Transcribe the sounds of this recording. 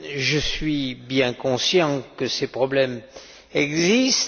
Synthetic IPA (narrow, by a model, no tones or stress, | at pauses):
ʒəsɥibjɛ̃kɔ̃sjɑ̃kəsepχɔblɛm | ɛɡzist̪